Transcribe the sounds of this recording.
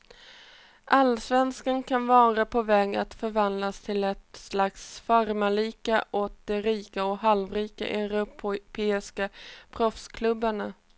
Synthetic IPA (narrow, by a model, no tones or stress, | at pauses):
ʔalːsvɛnskankʰanvɑːɾapʰɔvɛːɡa̰t̪fœɾvand̪last̪ʰɪlɛt̪slaksfaɾmaɭiːkaʔɔk̚d̪̥ɛɾiːkaɔɦalvɾiːka̰ʔɛɾʊppʰeːɪskapʰɾɔfskʰlɵbːaɳa